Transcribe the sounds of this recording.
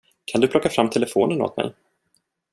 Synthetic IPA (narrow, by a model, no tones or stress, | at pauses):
kʰand̪ɵplɔkːafɾamːt̪ʰɛlɛfo̰ːnəno̰ːt̪̚mɛ̰j